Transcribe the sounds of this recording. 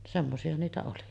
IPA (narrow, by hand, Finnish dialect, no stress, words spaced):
semːosiɑ niːtæ oli